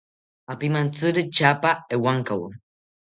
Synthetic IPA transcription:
apimant͡sɨɾɨt͡ʃapaewaŋkaw

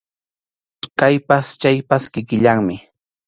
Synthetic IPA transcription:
kajpast͡ʃajpaskɪkɪʎaŋmɪ

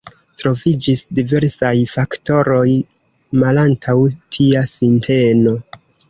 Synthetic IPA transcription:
tɾo̞vid͡ʒisdive̞ɾsajfakto̞ɾo̞j | malantʰawtʰiasintʰe̞no̞

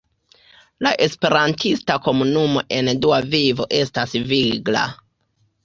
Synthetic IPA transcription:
laʔe̞spe̞ɾantistako̞munumo̞ʔe̞nduavivo̞ʔe̞stasviɡla̰

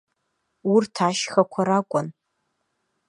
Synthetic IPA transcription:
urtʰaʃχakʷʰaɾakʷʼʊn

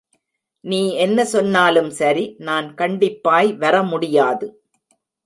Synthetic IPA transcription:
niːɛnːɐsɔnːaːlɯmsɐɾinaːnkɐɳɖɪpːaːjʋɐɾɐmʊɽɪjaːðɯ

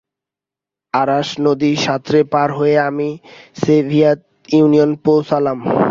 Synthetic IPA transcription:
aɾaʃnod̪iʃat̪ːɾepaɾɦoeamisebʱiat̪ | jiunionpowsʰalam

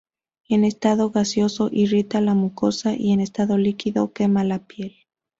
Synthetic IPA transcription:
ene̞st̪aðo̞ɣasjo̞so̞ʔirit̪alamuko̞saʔiene̞st̪aðo̞likiðo̞ke̞malapje̞l

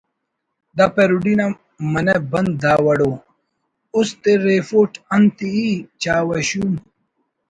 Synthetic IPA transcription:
d̪apeɾuɖina | mɐnɐbɐnd̪d̪aːwɐɽo | ust̪eɾeːfoːʈɐnt̪iit͡ɕaːwɐɕum

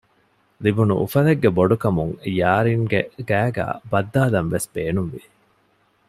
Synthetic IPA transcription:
libunṵʔṵfɐleɡːeboɖukɐmuŋjaːɾiŋɡeɡæːɡæ̰ːbɐd̪ːaːlɐnʋesb̥eːnunʋḭ

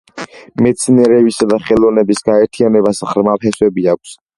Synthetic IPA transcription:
mɛt̪sʰniɛɾɛbisad̪aχɛlˠɔvnɛbisɡaɛɾt̪ʰianɛbasʁɾmapɛswɛbiak̚ʷʰs

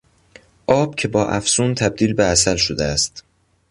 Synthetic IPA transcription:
ʔɒːb̥̚cʰe̞bɒːʔæfsuːnt̪ʰæb̚d̪iːlbeæsælʃod̪eæst̪

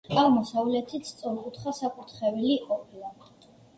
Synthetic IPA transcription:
aʁmɔsavlɛt̪ʰist̪sʼɔɾkʼut̪ʰχasakʼut̪ʰχɛviliqʼɔpʰila

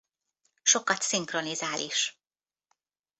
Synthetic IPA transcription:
ʃo̞kɒt̪siŋkro̞nizaːlʔiʃ

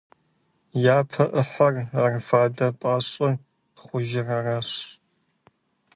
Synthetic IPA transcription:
jaːpʰɐʔəħɐraːrfaːdɐpʼaːɕʼɐ | χʷʊʒɪrɐraːɕ

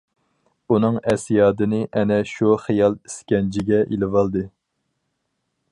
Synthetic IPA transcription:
unɨŋɛsijɑːd̪ɨnɨʔɛnɛʃuχijɑlˠi̥skʲɛnd͡ʒʰiɡʲɛʔilɪvɑlˠd̪ɨ

